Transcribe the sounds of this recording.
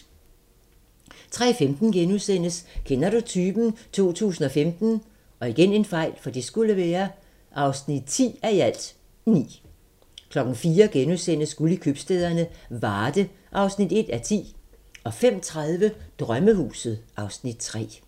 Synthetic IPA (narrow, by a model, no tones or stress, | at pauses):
t͡sʰʁɛ̰femd̥n̩ɡ̥enusen̰əskʰenɐɾ̥ut͡sʰyːb̥n̩t͡sʰo̝̰ːt͡sʰṵːsn̩ɒ̽femd̥n̩ | ʔɒ̽iɡ̥ene̝nfɑ̈ɪ̰lfɒ̽d̥isɡ̥uləʋɛːɐ | ʔɑ̈ʊsnid̥̚t͡sʰḭːæɐiæl̰d̥ | nḭː | kʰlɒ̽ɡ̥n̩fiːɐɡ̥enusen̰əsɡ̥ulikʰyb̥sd̥eðˠɐnəʋɑːd̥ə | ʔɑ̈ʊsnid̥e̝d̥æt͡sʰḭː | ɒ̽fem̰t͡sʰʁaðˠʋəd̥ʁɶməhṵːsð̩ˠʔɑ̈ʊsnid̥̚t͡sʰʁɛ̰ː